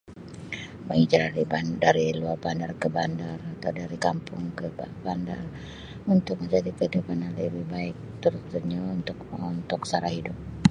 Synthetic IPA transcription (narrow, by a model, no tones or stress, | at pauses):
mə̰ŋid͡ʒaɾaɾibandaɾiluarbandarkəbandarat̪awdaɾikampʊŋkəbanda̰r | unt̪ʊk̚məɲd͡ʒadikəidupananləbɪhbaɪk̚t̪uɾʊt̪səɲount̪ʊkunt̪ʊksaɾahidʊp̚